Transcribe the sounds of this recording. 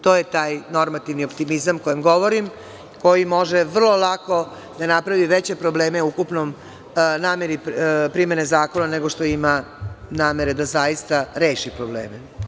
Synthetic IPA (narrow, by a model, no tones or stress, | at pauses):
t̪oːjet̪aːjno̞ɾmat̪iʋniopt̪imizamkojemɡo̞ʋoɾim | ko̞jimo̞ʒeʋr̩lˠo̞lˠako̞ | d̪anapɾaʋiʋet͡ɕe̞pɾobleːmeukupnom | naːmeɾippɾime̞nezaːko̞naneɡo̞ʂt̪o̞ima | naːme̞ɾed̪azajist̪aɾeːʃipɾoblḛːme